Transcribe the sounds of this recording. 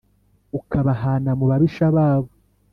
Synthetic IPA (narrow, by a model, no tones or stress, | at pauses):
ukaβaɦaːnamuβaβiʃaβaːβo